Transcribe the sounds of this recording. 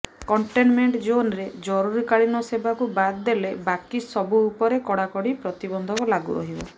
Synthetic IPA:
kɔɳʈenmeɳʈd͡ʒonɾed͡ʒɔɾuɾikaɭinɔsebakubad̪d̪elebakisɔbuːpɔɾekɔɽakɔɽipɾɔt̪ibɔnd̪ʱɔkɔlaɡṵʔɔ̰ɦibɔ

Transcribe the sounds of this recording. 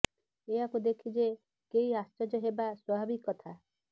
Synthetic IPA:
eakud̪ekʰid͡ʒe | kejast͡ʃɔd͡ʒɔɦebaswɔbʱabikːɔt̪ʰa

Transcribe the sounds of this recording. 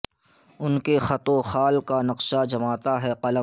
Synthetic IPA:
ʊnkexɐt̪oxaːlkanɐqʃad͡ʒɐmaːt̪aɦɛqɐlə

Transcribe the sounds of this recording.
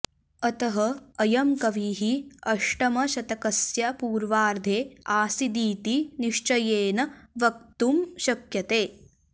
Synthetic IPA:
ɐt̪ɐɦɐːjɐmkɐʋiːɦiɐʂʈɐmɐʃɐt̪ɐkɐsjɐpuːɾʋaːɾd̪ʱeːaːsid̪iːt̪iniʂt͡ʃɐjeːnɐʋɐkt̪umʃɐkjɐt̪eː

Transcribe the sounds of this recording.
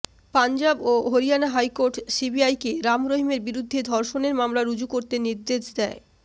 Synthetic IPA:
pand͡ʑaboɦoɾijanaɦajkoɾʈsibiajkeɾamɾoɦimeɾbiɾud̪ʱːed̪ʱɔɾʃoneɾmamlaɾud͡ʑukoɾt̪eniɾd̪eʃd̪ɛe

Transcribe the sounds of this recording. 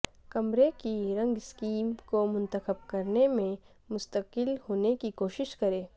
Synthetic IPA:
kɐmɾekiɾɐ̃ŋɡɪskiːmkomʊ̃nt̪əxəb̚kɐɾnemẽ | mʊst̪əqɪlhoːnekikoːʃɪʃkɐɾẽː

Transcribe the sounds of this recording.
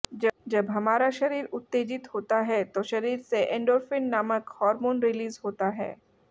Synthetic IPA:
d͡ʒd͡ʒɐbɦɐmaːɾaʃɐɾiːɾʊt̪ːeːd͡ʒɪt̪hoːt̪aɦɛt̪oʃɐɾiːɾseʔɛ̃ːɳɖɔːɾfɪnːaːməkhɔːɾmoːnɾɪliːzɦoːt̪aɦɛ̰ː

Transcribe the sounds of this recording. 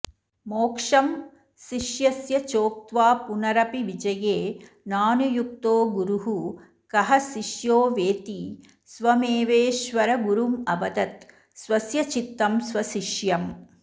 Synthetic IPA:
moːkʂɐm | ʃiʃjɐsjɐt͡ʃoːk̚t̪ʋaːpunɐɾɐpiʋid͡ʒɐjeː | naːnujuk̚t̪oːɡuɾuɦu | kɐɦɐsiʃjoːʋeːt̪iː | sʋɐmeːʋeːʃʋɐɾɐɡuɾumɐʋɐd̪ɐt̪ | sʋɐsjɐt͡ʃit̪ːɐmsʋɐʃiʃjɐm

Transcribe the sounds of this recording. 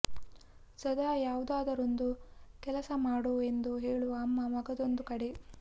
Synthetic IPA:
sɐd̪aːjaːʋud̪aːd̪ɐɾond̪ukɛlɐsɐmaːɽue̞nd̪uɦeːɭuʋɐːmːɐmɐɡɐd̪o̞nd̪ukɐɽe

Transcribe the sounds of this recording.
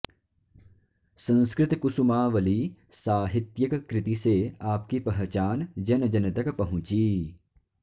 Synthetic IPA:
sɐ̃nskɾɪt̪kʊsumaːʋɐlisaːɦɪt̪jɐkkɾɪt̪iseaːpkipɐɦt͡ʃaːnd͡ʒɐnd͡ʒɐnɐt̪ɐkpɐɦʊ̃t͡ʃiː

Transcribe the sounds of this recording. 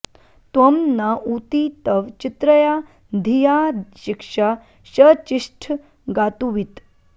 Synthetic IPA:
t̪wɐmnaʔut̪it̪əʋt͡ʃit̪ɾəja | d̪ʱijaɕikʂa | ɕət͡ʃiʂʈʰ | ɡat̪uʋit̪

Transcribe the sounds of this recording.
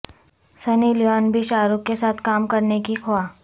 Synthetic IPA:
sɐniːljɔːnbʱiʃaːɾʊkːesaːt̪ʰkaːmkɐɾnekixoaː

